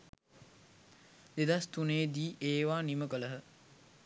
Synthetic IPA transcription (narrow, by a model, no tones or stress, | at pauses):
d̪ed̪ast̪uneːd̪iːʔeːʋaːniməkələɦə